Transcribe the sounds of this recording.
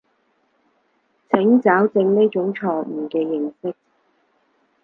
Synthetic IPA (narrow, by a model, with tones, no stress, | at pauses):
t͡sʰɪ˨˥ŋt͡saː˨˥wt͡sɪ˧ŋni˥t͡ʃʊ˨˧˥ŋt͡sʰɔː˧k̚m̩ː˨˩kɛː˧jɪ˨˩ŋsɪ˥k̚